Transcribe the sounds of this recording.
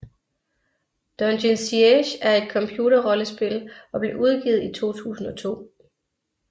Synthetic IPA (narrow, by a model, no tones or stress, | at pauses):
d̥ɒndensieɕæɐe̝d̥̚kʰɒ̽mpʰjuːɾɐʁɒ̽ləsb̥e̝lɒ̽b̥le̝ʔuð̞ˠɡ̥ḭːð̞̩ˠit͡sʰo̝̰ːt͡sʰṵːsn̩ɒ̽t͡sʰo̝̰ː